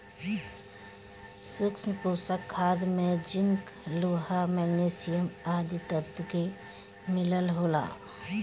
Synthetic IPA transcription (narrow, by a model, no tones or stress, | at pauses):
sʊksnpusəkʰːaːd̪mẽd͡ʒɪŋkloːɦamɛɡneːsijəmaːd̪it̪ət̪ke | mɪləlɦoːla̰ː